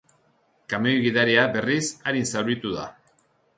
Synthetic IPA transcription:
kamejɣiðaɾiabe̞risaɾinsaɾβit̪uða̰

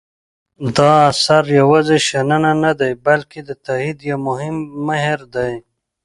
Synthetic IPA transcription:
d̪ɑːsaɾjawazeʃanananad̪ajbalked̪ət̪aid̪jawmʊɦɪmːaɦɪɾd̪aj

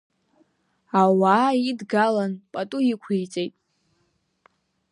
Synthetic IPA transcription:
awaːidɡalanpʼatʼuikʷʰijt͡sʼejtʼ

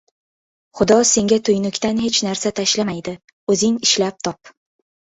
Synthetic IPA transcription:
χʊd̪ɒse̞ŋɡʲat̪ʰʊjnʊkʲt̪anhe̞t͡ʃnaɾsat̪ʰaʃlamajd̪ɪ | ɵzɪŋɪʃlap̚t̪ʰɒp

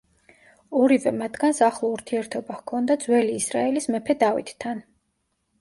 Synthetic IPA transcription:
ɔɾivɛmat̪ʰɡansaχlˠɔuɾt̪ʰiɛɾt̪ʰɔbahkʰɔnd̪ad̪zwɛliːsɾa̰ɛlismɛpʰɛd̪avḭt̪t̪ʰːan

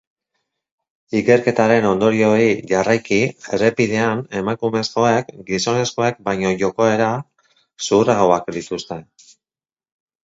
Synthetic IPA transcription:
ike̞ɾke̞t̪aɾe̞no̞nd̪o̞ɾio̞iʝarajkie̞re̞pið̞e̞ane̞makume̞sko̞ekɡiso̞ne̞sko̞ek̚bajɲo̞ʝo̞koe̞ɾa | suraɣoakd̪it̪ust̪e̞n

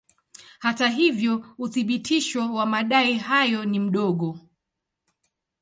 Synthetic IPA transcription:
hataɦivjɔuθiɓitʰiʃɔwamaɗaihajɔnim̩ɗɔɠɔ

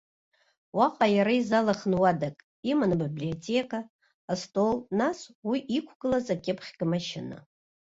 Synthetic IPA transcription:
waqʼajaɾaizalaχnwadakʼ | imanabiblio̞tʰʼe̞kʼaː | stʼo̞lnaswiʔikʷʰɡ̥ɨlazakʲʼɪpʰχʲɡʲamaʃɪna̰

